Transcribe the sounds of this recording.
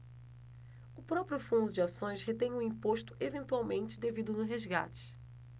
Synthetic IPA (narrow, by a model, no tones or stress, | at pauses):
ʊpɾɔpɾjʊfũnd̪ʊd͡ʒɪasõj̃shet̪ẽj̃ʊ̃ĩpoʃt̪ʊ̥ʔevẽnt̪uawmẽnt͡ʃɪd̪evid̪ʊnʊɦezɡa̰t͡ʃɪ̥